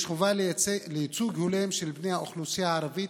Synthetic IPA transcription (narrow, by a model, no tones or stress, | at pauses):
ʃχuvallejit͡suɡhulemʃelbnejhaoχlusijaʕaɾavit̪